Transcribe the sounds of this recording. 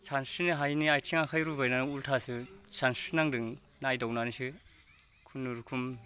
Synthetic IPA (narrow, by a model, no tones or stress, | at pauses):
sʰansɯniɦajniajtʰiŋakʰajɾubajnanɯultʰasɯsʰansɯnaŋdɯŋ | najdɔwnanisɯ | kʰunuɾkʰum